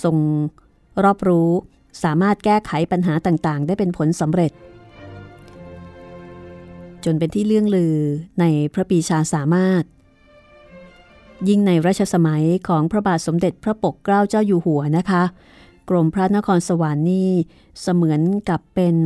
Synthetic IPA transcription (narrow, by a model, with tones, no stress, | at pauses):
so˧ŋ | ɾɔː˥˩p̚ɾuː˦˥ | saː˩˦maː˥˩t̪̚kɛː˥˩kʰa˩˦jpa˧nɦaː˩˦t̪aː˨˩ŋt̪aː˨˩ŋdaː˥˩jpe˧npʰo˩˦nsa˩˦mɾe˨˩t̪̚ | t͡ɕo˧npe˧nt̪ʰiː˥˩lɯ˥˩əŋɾɯː˧na˧jpʰɾa˦˥biː˧t͡ɕʰaː˧saː˩˦maː˥˩t̪̚ | ji˥˩ŋna˧jɾa˥˩t͡ɕʰa˧sa˧ma˩˦jkʰɔː˩˦ŋpʰɾa˦˥baː˨˩t̪̚so˩˦mde˨˩t̪̚pʰɾa˦˥po˨˩kːɾaː˥˩wt͡ɕaː˥˩wjuː˧˩hu˨˩˦ɐna˦˥kʰa˦˥ | kɾo˧mpʰɾa˦˥na˦˥kʰɔː˧nsa˧wa˨˦nːiː˥˩ | sa˧mɯ˩˦ənka˨˩pːe˧n